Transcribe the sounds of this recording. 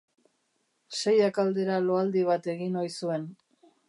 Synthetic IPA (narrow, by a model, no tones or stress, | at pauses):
sejakald̪e̞ɾalo̞ald̪iβat̪e̞ɣinojsue̞n